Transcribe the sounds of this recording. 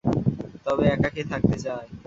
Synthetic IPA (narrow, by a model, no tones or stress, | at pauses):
t̪ɔβeɛkaket̪ʰak̚t̪et͡ɕae